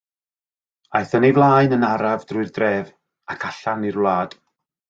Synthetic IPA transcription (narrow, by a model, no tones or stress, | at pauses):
ajθənivlˠaːɨnənaɾavdrʊɨrdrɛːv | akʰaɬanirwlˠaːd̥